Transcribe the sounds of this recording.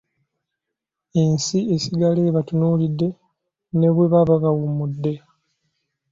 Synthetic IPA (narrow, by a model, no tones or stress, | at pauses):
ensiesiɡaleːβatunuːlidːe̞ | ne̞βweβaβaβawumudːe̞